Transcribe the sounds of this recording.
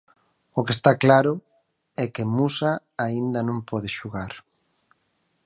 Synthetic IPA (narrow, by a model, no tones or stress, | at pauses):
ʊkest̪aklaɾʊ | ɛkemusa | aind̪ɐnõmpɔð̞eʃuɣaɾ